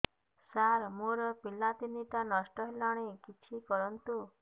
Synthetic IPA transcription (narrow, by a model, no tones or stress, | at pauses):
saɾmoɾɔpilːat̪init̪anɔsʈɔɦelɔɽ̃ekit͡ʃʰikɔɾɔnt̪u